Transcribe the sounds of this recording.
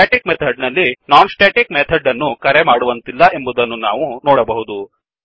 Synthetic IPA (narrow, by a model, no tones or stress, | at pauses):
aːʈikmet̪ʰɐɖnɐlːinaːnsʈeːʈikmet̪ʰɐɖɐnːukɐɾemaːɽuʋɐnt̪ilːɐʔe̞mbud̪ɐnːunaːʋunɔːɽɐbɐɦud̪u